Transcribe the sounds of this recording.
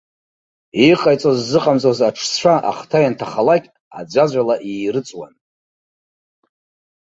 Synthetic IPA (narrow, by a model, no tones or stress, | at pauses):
iqʼajt͡sʼozːɨqʼamzʼozaʈ͡ʂʰst͡ʃʷʰaʔa̰χtʰajantʰaχalakʲʼ | a̰d͡ʒʷad͡ʒʷalaʔiːrɨt͡sʷʼwa̰n